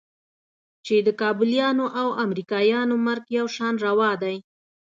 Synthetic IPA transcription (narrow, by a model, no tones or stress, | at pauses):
t͡ʃed̪əkɑbʊljɑnoʔawamɾikɑjɑnomaɾɡjawʃɑnɾawɑd̪aj